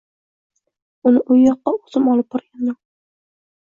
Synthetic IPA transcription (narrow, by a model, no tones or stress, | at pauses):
ʊnɪʔʊjːɒqːɑozɪmɒlˠɪp̚bɒɾɡʲanjo